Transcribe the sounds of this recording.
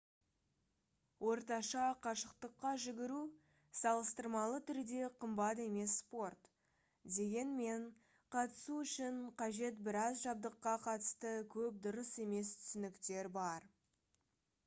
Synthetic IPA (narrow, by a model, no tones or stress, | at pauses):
wʔo̞ɾt̪ɑʃɑqʰɑʃəqt̪əqːɑʒɪɡʲɪɾu | sɑlˠəst̪əɾmɑlˠət̪ʰʏɾd̪e̞qʰəmbɑt̪e̞me̞sːpo̞rt̪ | d̪e̞ɡʲe̞nme̞ɴ | qʰɑt̪ə̥suʏʃɪɴqʰɑʒe̞t̪̚bɪɾɑzʒɑb̚d̪əqːɑqʰɑt̪ə̥st̪əkʲʰɵp̚d̪ʊɾəse̞me̞st̪ʰʏ̥sɪnɪkt̪e̞ɾbɑɾ